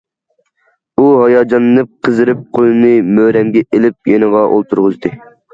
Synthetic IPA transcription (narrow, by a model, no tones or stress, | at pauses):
uɦɑjɑːd͡ʒɑnɨnɨp̚qʰəzɨɾɨp̚qʰolˠɨnɨmøːɾɛmɡʲɛelɪp̚jenəʁɑʔo̰lˠt̪ʰuɾʁəzd̪ɨ